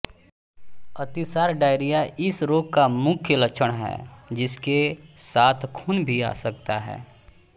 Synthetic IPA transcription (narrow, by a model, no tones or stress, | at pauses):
ət̪ɪsaːɾɖaːɪɾijaʔɪsɾoːɡ̚kamʊkʰjələkt͡ʃʰəɽ̃ɦɛ̰ːd͡ʒɪskesaːt̪ʰkʰuːnbʱia̰ːsək̚t̪aɦɛ̰ː